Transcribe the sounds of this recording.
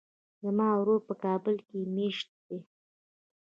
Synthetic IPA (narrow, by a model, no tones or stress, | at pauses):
zamɑawɾoɾpəkɑbəlkemeʃt̪̚d̪e